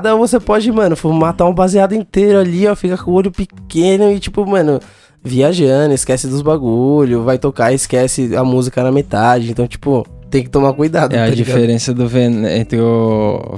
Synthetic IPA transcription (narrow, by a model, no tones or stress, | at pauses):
d̪ɐovosepɔd͡ʒɪmɐ̃nʊfomat̪aũbaziad̪ʊĩt̪eɾʊaʎiɛfikɐkõoʎʊpɪkẽnʊɪt͡ʃipʊmɐ̃nʊ | viaʒɐ̃d̪ʊɪskɛsɪd̪ʊzbaɡuʎʊsvajt̪okaɪskɛsɪɐmuzikɐnɐmet̪ad͡ʒɪẽnt̪ɐ̃w̃t͡ʃi̥pʊ | t̪ẽj̃kɪ̥t̪omakujd̪ad̪ʊɛɐd͡ʒiɡfaeɾẽsɐd̪ʊvenḛ̃nt̪ɾɪʊ